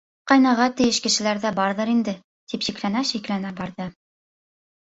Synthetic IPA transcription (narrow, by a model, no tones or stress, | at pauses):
qɑjnɑʁɑt̪ɘ̆jɘʃkɘ̆ʃɘ̆læɾðæbɑɾðɤɾind̪ɘ | t̪ipʃiklænæʃiklænæbɑɾðɤ